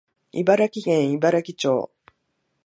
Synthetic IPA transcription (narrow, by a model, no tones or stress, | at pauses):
ibaɾakʲiɡẽɰ̃ibaɾakʲit͡ɕo̰ː